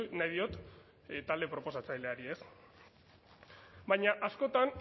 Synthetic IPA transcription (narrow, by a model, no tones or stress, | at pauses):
najðio̞t̪ | t̪ald̪e̞pɾo̞po̞sat͡sajle̞aɾie̞s | bajɲaʔasko̞t̪an